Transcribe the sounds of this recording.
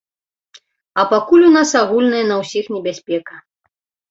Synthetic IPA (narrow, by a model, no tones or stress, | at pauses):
ɐpakulʲunasaɣulʲnɨjɛɐnɐwsʲixnʲɛbʲasʲpʲɛkɐ